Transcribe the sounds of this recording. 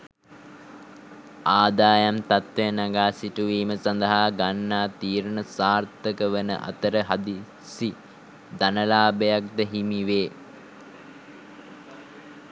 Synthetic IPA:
aːd̪aːjamt̪at̪ʋejnaɡaːsiʈuʋiːməsand̪əɦaːɡanːaːt̪iːɾnəsaːrt̪əkəʋənə̰ʔa̰t̪əɾəɦad̪i | si | d̪anəlaːbəjak̚d̪əɦimiʋeː

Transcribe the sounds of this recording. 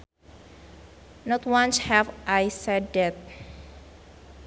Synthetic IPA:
nɔt̪wãnshɛvʔajsɛdɛt̪̚

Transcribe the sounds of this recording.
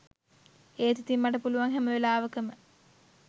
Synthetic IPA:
eːt̪it̪imːaʈəpuluʋaŋɦæməʋelaːʋəkəmə

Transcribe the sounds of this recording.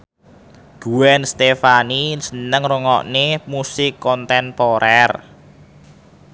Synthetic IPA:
ɡ̥uwɛnst̪efanisənəŋruŋɔ̰ʔnemusɪkːɔnt̪ɛnpɔɾʔɛr

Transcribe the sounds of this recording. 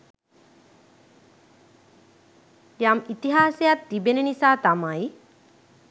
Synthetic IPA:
jamit̪iɦasejat̪ːibenenisaːt̪amaj

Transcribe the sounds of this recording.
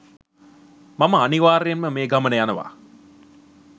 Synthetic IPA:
maməaniʋaːɾejenməmeːɡamənəjanəʋa̰

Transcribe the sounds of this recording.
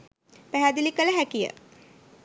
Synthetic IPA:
pæɦæd̪ilikələɦækijə̰

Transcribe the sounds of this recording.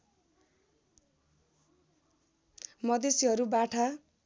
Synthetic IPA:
mʌd̪esiɦʌɾubaʈʰa

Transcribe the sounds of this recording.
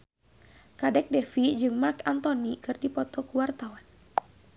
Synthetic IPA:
kadɛk̚dɛfid͡ʒɨŋmarkant̪ɔnikɨrdipɔt̪ɔkuwart̪awan

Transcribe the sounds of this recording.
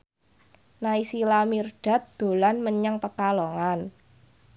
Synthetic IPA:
naisilamirɖ̥a̤t̪̚d̪̥o̤lanməɲaŋpəkalɔŋan

